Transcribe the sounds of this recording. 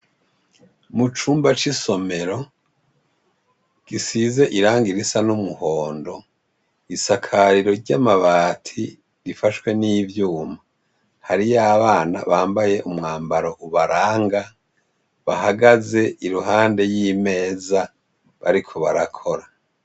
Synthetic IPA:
mut͡ʃuːmbat͡ʃiso̞me̞ɾo̞ | ɡ̥isize̞ʔiɾaːŋɡiɾisanumuhoːndo̞ | isakʰaɾiɾo̞ɾɟamaβaːtʰi | ɾifaʃwe̞niːvjuːma | haɾijaβaːna̰βaːmbaje̞ʔumŋaːmbaɾo̞ʔuβaɾaːŋɡa | βahaɡaze̞ʔiɾuɦaːnde̞jime̞ːza | βaɾikʰo̞βaɾakʰo̞ɾa

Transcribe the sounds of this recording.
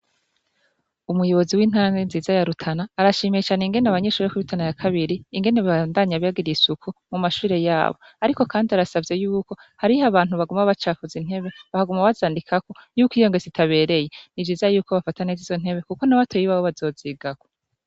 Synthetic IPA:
umujo̞βo̞ziwiːn̥hanɡenziːzajaɾutʰanaːɾaʃiːmet͡ʃaniŋɡe̞naβaɲe̞ʃuːɾekuβitʰanajakʰaβiɾiːŋɡe̞neββandaɲaβaɡiɾiisukʰumumaʃuːɾe̞ja̰ːβo̞̰ | aɾiko̞kʰaːndiaɾasavje̞juːko̞ | haɾihaβaːn̥huβaɡumaβat͡ʃaːfuzin̥he̞βe̞βahaɡumaβazaːndikʰako̞juːkwiːjo̞ŋɡezitʰaβe̞ːɾe̞je̞nivd͡ʒiːzajuːko̞βafatanezizo̞n̥he̞βe̞kuko̞naβatʰojiβawoβazo̞ːziːɡako

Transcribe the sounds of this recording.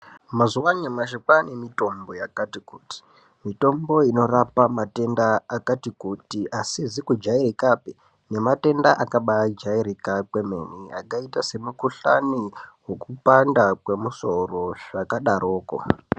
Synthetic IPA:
mazuwaɲamaʃikane̞mito̞mbo̞jakatikuːti̥ | mito̞mbo̞ino̞rapamate̞ndaːkatikutiʔasizikud͡ʒairikape | ne̞mate̞ndaʔakaɓaad͡ʒaiɾikakwe̞mḛnia̰kaitase̞mukuɬa̰niwekupandakwe̞muso̞ro̞ʐ̥akaɗaɾʔoːko̰

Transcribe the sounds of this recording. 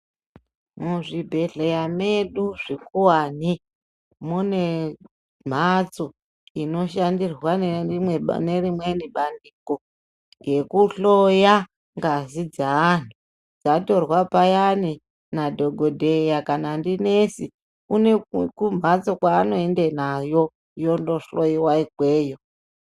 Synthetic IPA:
muʐibʱe̞ɮejameɗuʐikuwani | mune̞ | m̤at͡so̞ | ino̞ʃandirwaneiwḛne̞rimweniɓandiko̞ | je̞kuɬoja | ŋɡazid͡zaːn̤u | d͡zato̞rwapajani | nadʱo̞ɡʱodʱejakanandine̞si | une̞kum̤at͡so̞kwaːno̞endenajo̞ | jo̞ndoɬo̞jiwaikwe̞ːjo

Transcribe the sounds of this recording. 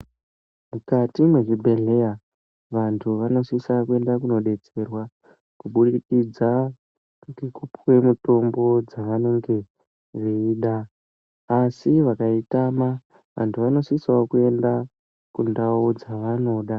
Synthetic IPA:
mukatimweʐibʱe̞ɮe̞ja | ʋantʰuʋano̞siswakue̞ndakuno̞ɗe̞t͡se̞rwa | kuɓuɗikid͡za | ŋɡekupwe̞muto̞mbo̞d͡zaʋano̞ŋɡe̞ | ʐiiːɗaː | siʋakaitama | ʋa̰ntʰuʋano̞siswakue̞nda | kundaud͡zaʋano̞ɗa

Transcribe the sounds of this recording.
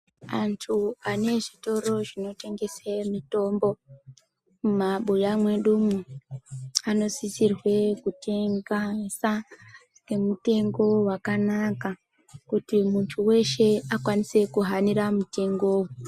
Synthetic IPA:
antʰuane̞ʐito̞ɾo̞ʐino̞te̞ŋɡe̞semito̞mbo̞ | mumaɓujamwe̞ɗumu | ano̞sisirwe̞kute̞ŋɡasa | ke̞mute̞ŋɡo̞wakanaka | kutimuntʰuwe̞ʃe̞akwanise̞kuɦaniɾamute̞ŋɡoːwu

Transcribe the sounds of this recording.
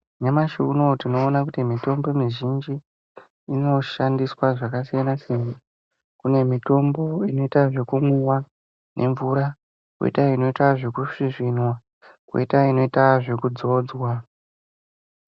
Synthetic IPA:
ɲamaʃunotino̞ːnakutimito̞mbo̞miʒind͡ʒiː | no̞ʃandiswaʐakasijanasena | kune̞mito̞mbo̞ino̞itaʐe̞kumuwa | nʔe̞̰ɱvuɾa | kwḛtaino̞itaʐekuʂiʐinwa | kwḛitaino̞itaʐe̞kud͡zo̞ːd͡zwa

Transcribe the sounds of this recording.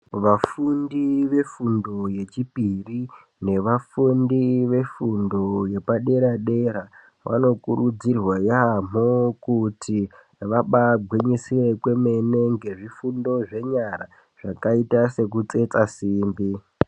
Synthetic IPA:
ʋafundiʋe̞fundo̞je̞t͡ʃipiri | ne̞ʋafundiʋe̞fundo̞je̞paɗe̞ɾaɗe̞ɾa | ʋʔa̰no̞kuɾud͡zirwajamokutʰi | ʋaɓaɡʱwiɲisire̞kwe̞me̞ne̞ŋɡe̞ʐifundo̞ʐe̞ɲaɾa | ʐ̥akaitase̞k̬ut͡se̞t͡sasiːmbi

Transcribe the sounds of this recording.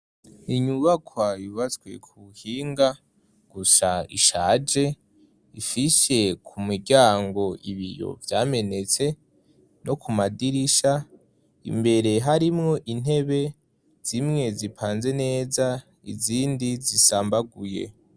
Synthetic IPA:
iɲuβakwaiβat͡swe̞̰kʰuhiːŋɡa | ɡ̥usaḭʃaːd͡ʒe̞ | ifise̞kʰumiɾɟaːŋɡo̞ʔiβḭjo̞̰vjaːme̞ne̞t͡se̞ | no̞kumadiɾiʃa | ḭmbe̞ɾe̞ɦaɾimŋo̞ʔin̥e̞βe̞ | z̥imŋe̞zipʰaːnze̞ne̞ːza | ḭziːndizisaːmbaɡujḛ

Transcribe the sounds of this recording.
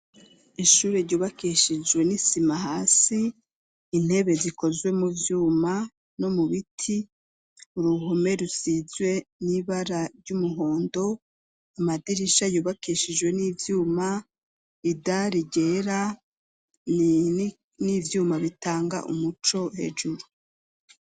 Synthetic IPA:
iʃuːɾeɾɟuːβakiʃid͡ʒwe̞nisimaɦaːsiː | n̥e̞βe̞ziko̞zwe̞muvjuːma | no̞muβitʰi | uɾuɦome̞ɾusizwe̞niβaɾaɾjumuɦo̞ːndo̞ | amadiɾiʃajuːβakiːʃid͡ʒwe̞nivjuːma | idaɾiɟe̞ɾa | nivjuːmaβitaːŋɡa̰ʔṵmut͡ʃo̞he̞̰ːʒuɾu

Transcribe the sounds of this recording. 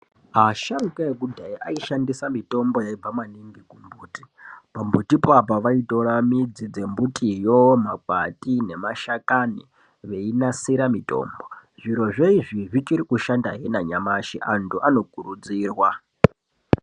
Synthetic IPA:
ɦaʃarukaekudʱaiʔaiʃandisamito̞mbo̞jaib͡vamaniŋɡikumbuːti̥pambutipapaʋaito̞ɾamid͡zid͡ze̞mbutʰʼijomakatinemaʃakani | ʋe̞inasiɾamitʼo̞̰ːmbo̞ʐ̥iɾo̞ʐeiʐiʐit͡ʃiɾikuʃandaɦenaɲamaʃiʔantuʔano̞kuɾud͡ziːrwa

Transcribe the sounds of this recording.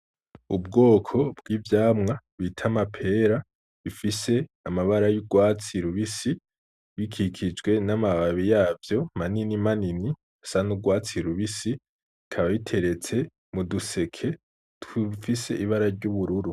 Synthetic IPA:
ub̚ɡo̞ːkʰo̞bɡiːvjaːmŋaβitʰamapʰe̞ɾa | βifise̞ | amaβaɾajuɡwaːt͡siɾuβisi | βikʰikʰid͡ʒɡwe̞namaβaβijaːvjo̞maninimanini | asanuɡwaːt͡siɾuβisi | ikʰaβaβitʰe̞ɾe̞t͡se̞ | muduse̞kʰe̞ | tufise̞ʔiβaɾaɾɟuβuɾuɾu

